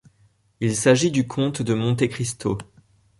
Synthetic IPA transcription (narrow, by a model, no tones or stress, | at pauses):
ilsaʒid̪ykʰɔ̃t̪d̪əmɔ̃t̪ekχist̪o